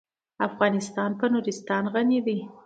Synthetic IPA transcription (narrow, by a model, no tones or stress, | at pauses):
afɣɑnɪst̪ɑnpənuɾɪst̪ɑnɣanid̪i